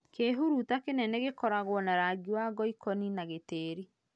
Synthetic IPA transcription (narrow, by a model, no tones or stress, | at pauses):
keɦuɾutakenɛneɣekɔɾaɣwɔnaɾaɡiwaɣɔikɔninaɣeteːɾi